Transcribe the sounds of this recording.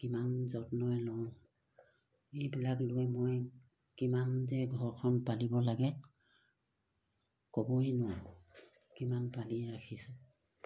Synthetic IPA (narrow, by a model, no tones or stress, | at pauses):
kimanzɔtnɔjlɔ̃ | ejbilaklʊɛmoj | kimandɛɡʱɔɹkʰɔnpalibɔlaɡɛ | kɔbɔjnɔ | kimanpaliɹakʰisʊ̃